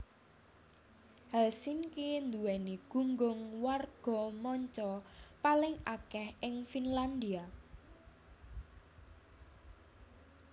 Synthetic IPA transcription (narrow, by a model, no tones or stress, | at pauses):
hasinkind̪uwɛniɡ̥ṳŋɡʊŋwarɡ̥ɔ̤mɔɲt͡ʃɔpalɪŋakɛhɪŋfinland̪ia